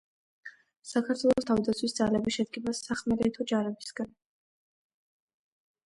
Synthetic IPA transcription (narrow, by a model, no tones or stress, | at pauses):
sakʰat̪ʰwɛlˠɔst̪ʰavd̪at̪sʰwisd̪zalɛbiʃɛd̪̚ɡibasaχmɛɾɛt̪ʰɔd͡ʒaɾɛbisɡan